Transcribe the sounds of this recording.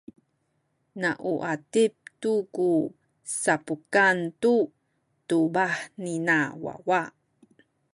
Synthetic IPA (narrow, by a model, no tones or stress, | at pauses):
naʔuʔatip̚tuku | sapukantu | tubaħninawa̰wa